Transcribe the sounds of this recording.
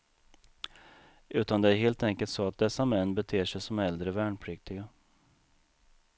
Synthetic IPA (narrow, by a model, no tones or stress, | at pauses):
ʔʉ̟ːt̪and̪ɛæɾɦeːlt̪ɛŋkəlt̪sɔat̪̚d̪ɛsːamɛnːbɛt̪ʰeːʂɛjsɔmɛld̪ɾəvæːɳpʰɾʏk̚t̪ɪɡa